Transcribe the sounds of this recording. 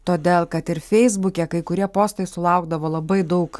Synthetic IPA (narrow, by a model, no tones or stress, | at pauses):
t̪oːd̪ʲeːlˠkɐt̪ɪɾfʲɛɪzbʊkʲɛkɐɪkʊɾʲiɛpoːst̪ɐɪsʊlˠɐʊɡd̪ɐʋoːlˠɐbɐɪd̪ɐʊk